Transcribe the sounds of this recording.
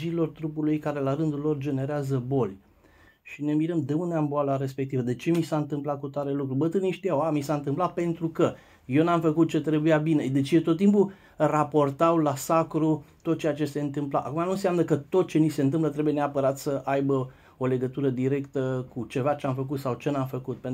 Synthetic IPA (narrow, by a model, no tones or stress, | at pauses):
d͡ʒilo̞rt̪ɾupulujkaɾe̞laɾɨnd̪ulːo̞rd͡ʒe̞ne̞ɾeazəbo̞lʲ | ʃine̞miɾəmd̪eund̪eamboalaɾe̞spek̚t̪ivəd̪e̞t͡ʃe̞misaɨnt̪ɨmplat̚kut̪aɾelukɾubət̪ɨniʃt̪ijawamisaɨnt̪ɨmplape̞nt̪ɾukə | jewnamfəkut̪̚t͡ʃe̞t̪ɾe̞bujabine̞d̪e̞t͡ʃjet̪ot̪ːimpu | rapo̞rt̪awlasakɾut̪ot̪̚t͡ʃejat͡ʃe̞se̞ɨnt̪ɨmpla̰ʔa̰kumanunseamnəkət̪o̞t̪̚t͡ʃe̞nise̞ɨnt̪ɨmplət̪ɾe̞buje̞neapəɾat̪səʔajbə | o̞le̞ɡət̪uɾəd̪iɾe̞kt̪əkut͡ʃe̞vat͡ʃeamfək̬ut̪sawt͡ʃe̞namfəkut̪̚pen